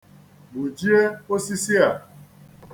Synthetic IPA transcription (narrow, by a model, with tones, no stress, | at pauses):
mu˨d͡ʒi˦e˦o˦si˦si˦a˨